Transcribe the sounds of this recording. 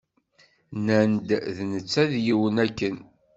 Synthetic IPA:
nænd̪ðnət͡sːæðjiwənækːən

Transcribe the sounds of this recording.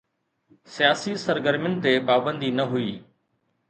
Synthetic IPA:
sijaːsisəɾɡəɾmjʊnɪ̆t̪epaːbə̃nd̪inɐɦuiː

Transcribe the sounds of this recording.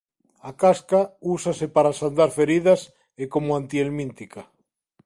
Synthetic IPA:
akaskausasepaɾasand̪aɾfeɾiðas | ekomoãnt̪ielmĩnt̪ika

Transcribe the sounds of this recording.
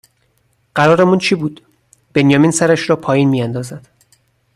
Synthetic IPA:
ɢæɾɒːɾemunt͡ʃʰibuːd̪̥ | b̥e̞njɒːminsæɾæʃɾɒːpʰɒːjiːnmiːjænd̪ɒːzæd̪̥

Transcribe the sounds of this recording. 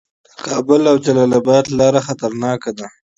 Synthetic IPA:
d̪̥əkɑbʊlawd͡ʒalalabɑd̪lɑɾaxat̪aɾnɑkad̪a

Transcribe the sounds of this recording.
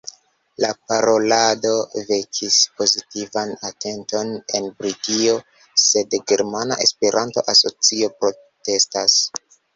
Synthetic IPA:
lapaɾo̞lado̞vekʰispozitivanate̞nto̞ne̞nbɾiɡio̞ | se̞dɡe̞ɾmana̰ʔe̞spe̞ɾʔanto̞̰ʔaso̞t͡sio̞pɾo̞ | te̞stas

